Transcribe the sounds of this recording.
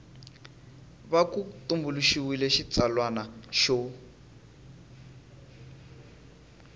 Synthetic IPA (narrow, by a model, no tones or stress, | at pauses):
βakut̪umbuluʃiwilɛʃit͡salwanaʃɔ